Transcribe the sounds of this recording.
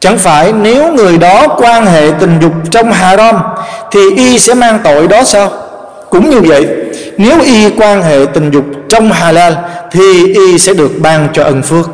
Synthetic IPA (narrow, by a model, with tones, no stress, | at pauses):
t͡ɕa̰˧˩ŋfaː˧˩jne˨˦wŋɨ˨˩əjɗɔ˨˦kwaː˧nɦḛ˧˨t̪ï˨˩ŋ̟zʊ˨˩k͡p̚t͡ɕɔ˧wŋ͡mɦaː˨˩ɾaː˧mt̪ʰi˨˩ʔi˧sɛ̰˧˥maː˧ŋt̪o̰˧˨jɗɔ˨˦saː˧w | kʊ̰˧˥ŋ͡mɲɨ˧və̰˧˨jʔ | ne˨˦wʔi˧kwaː˧nɦḛ˧˨t̪ï˨˩ŋ̟zʊ˨˩k͡p̚t͡ɕɔ˧wŋ͡mɦaː˨˩laː˧lt̪ʰi˨˩ʔi˧sɛ̰˧˥ɗɨ˨˩ək̚ɓaː˧ŋt͡ɕɔ˧ʔə˨˩nfɨ˧ək̚